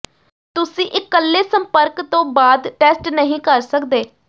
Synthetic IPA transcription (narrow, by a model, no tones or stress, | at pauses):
t̪ʊsĩːʔɪkːəlːeːsəmpəɾkt̪õːbaːd̪ʈɛːsʈnəɦĩːkəɾsəkd̪eː